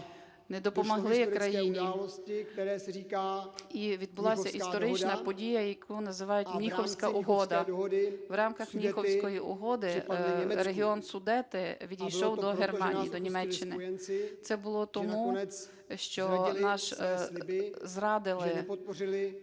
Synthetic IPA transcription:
nɛd̪ɔpɔmɐɦlˠɪkɾɐjinʲilɔsɪɛɛːsikaːiʋʲid̪̚bʊlˠɑsʲɐʔist̪ɔɾɪt͡ʃnɐpɔdʲijɐjɐkʰunɐzɪʋɑjʊtʲmnʲixɔwsʲkɐʔʊɦɔd̪ɐdɦd̪ɪwɾɑmkɐxmnʲixɔwsʲkɔjiʊɦɔd̪ɪɾeɦɪɔnsʊd̪ɛt̪ɪʋʲid̪ʲijʃɔwd̪ɔɦermɑnʲḭjid̪ɔnʲimɛt͡ʃːɪnɪnɪt̪sɛbʊlˠɔt̪ɔmu | ʃt͡ʃɔnɑʃɪzɾɑd̪ɪlʒˠɪpt̪̚prɪlɪ

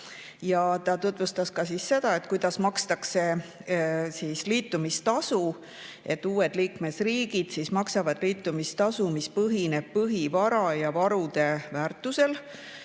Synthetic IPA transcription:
jɑt̪ɑt̪ut̪ˑvust̪ɑskɑsisːe̞d̪̥ɑe̞t̪ːˑkujd̪̥ɑsmɑkst̪ɑkse̞ | siːsliːt̪ˑːumist̪ɑsu | ʔe̞t̪ːuːe̞d̪̥liːkme̞sriːɡ̥id̪̥sismɑksɑvɑd̪̥liːt̪ːˑumist̪ɑsumispɤɦine̞b̥̚pɤɦivɑɾɑjɑvɑɾud̪̥e̞væːrt̪ːˑuse̞l

